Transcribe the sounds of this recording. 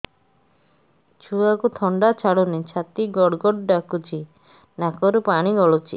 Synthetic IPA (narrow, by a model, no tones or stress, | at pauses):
t͡ʃʰuakut̪ʰɔɳɖat͡ʃʰaɽunit͡ʃʰat̪iɡɔɽɡɔɽɖakut͡ʃʰi | nakɔɾupaɽ̃iɡɔɭut͡ʃʰḭ